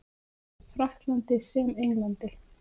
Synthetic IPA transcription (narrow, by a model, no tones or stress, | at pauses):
fɾaht̪lant̪ɪsɛːmejŋlant̪ɪl̥